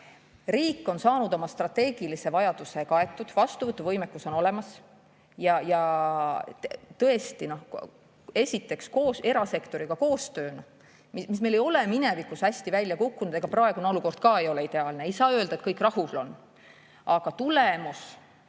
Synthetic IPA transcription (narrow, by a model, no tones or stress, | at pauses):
riːkːˑo̞nsɑːnud̪o̞mɑst̪rɑt̪ːe̞ːɡ̥ilise̞vɑjɑd̪̥use̞kɑe̞t̪ːˑud̪̥vɑst̪uvɤt̪ːˑuvɤjmekːuso̞no̞lemɑs | jɑjɑ | t̪ɤ̞e̞st̪ino̞h | e̞sʲit̪ːˑe̞ksko̞ːse̞ɾɑse̞kt̪o̞ɾiɡ̥ɑko̞ːst̪ø̞ːnɑ | mimismele̞jo̞leminevikːushæsʲt̪ivælʲjɑkukːunud̪eɡ̥ɑprɑe̞ɡuneo̞luko̞rd̪̥̚kɑːe̞jo̞leid̪̥e̞ɑːlneejsɑːø̞ld̪ɑet̪̚kɤjkːˑrɑhulo̞n | ɑɡ̥ɑt̪ulemus